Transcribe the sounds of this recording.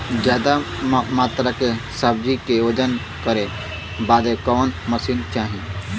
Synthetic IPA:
d͡ʒjaːd̪amaːt̪ɾakesab̚d͡ʒikeoːd͡ʒən | kəɾe | baːd̪ekɔːnməsint͡ʃaːɦĩ

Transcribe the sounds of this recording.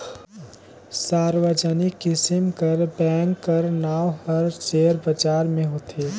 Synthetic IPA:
saːɾʋəd͡ʒənikːɪsɪmkəɾbɛ̃ːŋkːəɾnaːʋhəɾt͡ʃeːɾbət͡ʃaːɾmẽɦoːt̪ʰeː

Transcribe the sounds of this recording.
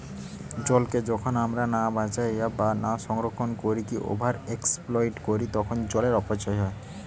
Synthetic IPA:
d͡ʑɔlked͡ʑɔkʰonamɾanabat͡ʃajabanaʃɔŋɾokʰːonkoɾikiʔo̰bʱaɾeksplɔjʈkoɾit̪ɔkʰond͡ʑɔleɾɔpat͡ʃɔjɦɔe

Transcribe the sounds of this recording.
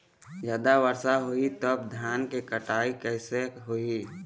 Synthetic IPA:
d͡ʒjaːd̪aʋəɾsaɦoit̪əb̚d̪ʱjaːnkekəʈaːikɛːseɦoi

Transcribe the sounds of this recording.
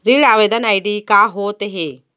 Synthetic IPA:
ɾiɭaːʋed̪ɐnajɖikaːɦoːt̪eɦe

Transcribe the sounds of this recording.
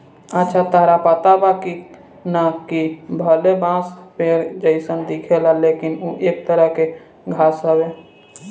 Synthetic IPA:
ətːʃʰat̪aːɾapət̪abaki | nakibʱəlebãːspeɾd͡ʒəɪsənd̪ikʰelaleːkɪnuʔeːk̚t̪əɾəɦke | ɡʱaːsɦəwe

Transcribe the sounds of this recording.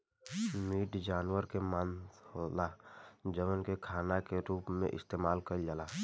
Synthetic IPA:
miːʈd͡ʒaːnwəɾkemaːnolad͡ʒəʋənkekʰaːnakeɾuːpmḛ̃ʔɪ̰st̪eːmaːlkəd͡ʒalaː

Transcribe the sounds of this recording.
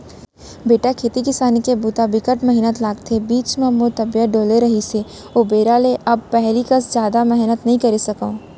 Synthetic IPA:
beːʈakʰeːt̪ikɪsaːnikebuːt̪abɪkəʈmɐɦɪnət̪laːɡt̪ʰebiːt͡ʃmẽmõt̪ɐbjəɖoːleɾɐɦise | obeːɾaleʔɐb̚pɛɦlikɐsd͡ʒjaːd̪amɛɦnət̪nɐɦĩkɐɾesɐkaõː

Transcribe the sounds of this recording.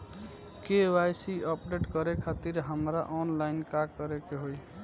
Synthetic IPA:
kewajsiɔpɖeʈkəɾekʰat̪iɾɦəmɾaʔɔnlaɪnkakəɾekeɦoj

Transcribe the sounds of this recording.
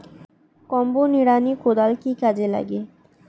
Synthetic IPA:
kɔmbuniɽanikod̪alkikad͡ʒela̰ɡe

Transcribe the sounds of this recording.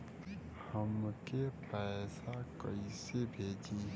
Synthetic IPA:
həmkepɛːsakəisebʱeːd͡ʒiː

